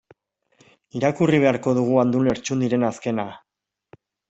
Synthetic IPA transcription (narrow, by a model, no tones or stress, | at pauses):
iɾakuriβ̞e̞aɾko̞ð̞uɣ̞uand̪ule̞ɾt͡ʃund̪iɾe̞naske̞na